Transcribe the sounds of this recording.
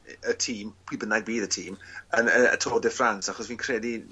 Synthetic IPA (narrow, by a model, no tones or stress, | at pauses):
ətʰiːmpʰwiːbənaɡ̚biːðətʰiːmənəə̰tʰoːdɛfransaχɔsviːnkʰrɛdi